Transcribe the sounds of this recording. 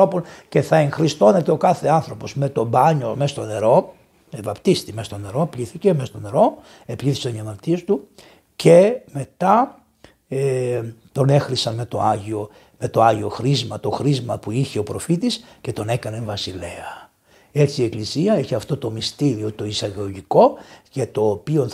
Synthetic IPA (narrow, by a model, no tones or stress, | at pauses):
oponce̞θɐe̞ŋxɾist̪o̞ne̞t̪eo̞kɐθe̞ɐnθɾo̞po̞zme̞t̪o̞bɐɲo̞mest̪o̞ne̞ɾo̞ | evɐpt̪ist̪imest̪o̞ne̞ɾo̞pliθice̞mest̪o̞ne̞ɾo̞ | epʎiθisɐniɐmɐɾt̪iest̪u | ce̞me̞t̪ɐ | et̪o̞ne̞xɾisɐnme̞t̪o̞ɐʝio̞ | me̞t̪o̞ɐʝio̞xɾizmɐt̪o̞xɾizmɐpuiçe̞o̞pɾo̞fit̪isce̞t̪o̞ne̞kɐneɱvɐsile̞ɐ | et͡siːe̞klisiɐeçiɐft̪o̞t̪o̞mist̪iɾio̞t̪o̞isɐɣoʝiko̞cet̪o̞ːpio̞n